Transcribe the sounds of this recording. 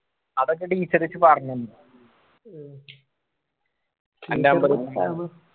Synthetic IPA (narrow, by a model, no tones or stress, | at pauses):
ɐðok̬ːeʈiːt͡ɕːɐɾit͡ɕːɨparɐɲːumɖɨ | ɐndaːmbɐɾuɐ